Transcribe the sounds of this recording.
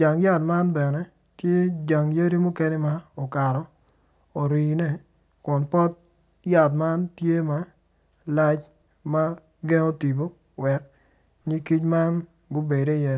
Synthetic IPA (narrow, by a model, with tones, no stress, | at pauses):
d͡ʒa˨ŋja˦tma˦nbɛ˨nɛ˦ | tje˦d͡ʒa˨ŋja˦ɾi˦mʊ˦ke˦nɛ˦ma˦ɔ˨ka˨ɾɔ˨ | o˨ɾi˨nɛ˦˨ | kʊ˨npɔ˦t̚ | ja˦˨tma˦ntje˦ma˦ | la˦t͡ʃ | ma˦ | ɡɛ˦ŋo˦ti˨bo˦ | wɛ˨k | ɲi˦ki˦t͡ʃma˦n | ɡʊ˦be˨de˦˨jɛ˦